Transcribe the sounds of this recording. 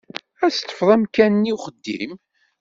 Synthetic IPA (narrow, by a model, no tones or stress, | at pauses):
æst̪ːə̥fðˤæmkænniwχəd̪ːḭm